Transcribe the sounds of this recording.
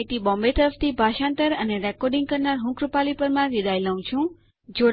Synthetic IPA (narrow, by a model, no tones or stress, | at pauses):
t̪ibɔ̃mbet̪əɾəft̪ʰibʱaʃãnt̪əɾəneɾɛkɔɾɖiŋɡ̚kəɾnaɾɦũkɾupalipəɾmãʋid̪ajləũt͡ʃʰũ | d͡ʒo